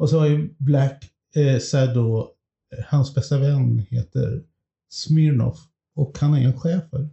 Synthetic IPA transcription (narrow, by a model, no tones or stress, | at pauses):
ɔsɔaɾblæk | sæd̪ɔ | hansbɛst̪avɛnːheːt̪ə̰ɾ | smɪɾnɔ̰f | ɔkhanæɾɛnɧɛːfəɾ